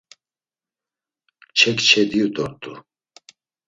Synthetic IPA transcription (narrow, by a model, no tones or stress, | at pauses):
t͡ʃʰɛkt͡ʃʰɛd̪iud̪ɔɾt̪ʼu